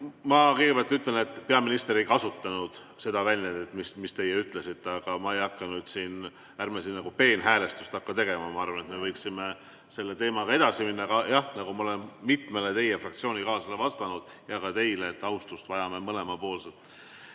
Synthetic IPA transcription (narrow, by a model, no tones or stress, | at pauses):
mɑkejɡe̞bæɑlt̪ːyt̪lelne̞t̪ˑːpe̞ɑminist̪eɾejkɑsut̪ːˑɑnud̪̥ | se̞d̪ɑvælʲned̪et̪ːmismist̪e̞jeyt̪ːˑle̞sit̪ːɑɡ̥ɑmɑe̞jɑkːɑnyːd̪̥siːn | ærmesinːɑɡupe̞ːnɦæːle̞st̪ust̪ɑkːɑt̪e̞ɡe̞mɑmɑɑrvɑne̞t̪me̞vɤjksime | se̞lːe̞t̪e̞ːmɑɡɑe̞d̪̥ɑsiminːɑkɑjɑhnɑɡumɑole̞nmit̪me̞let̪e̞jefrɑkt̪sio̞ːnʲikɑːsɑlevɑst̪ɑnud̪̥ | jɑkɑt̪e̞jleːt̪ːɑwst̪ust̪vɑjɑme̞mɤle̞mɑpo̞ːlset̪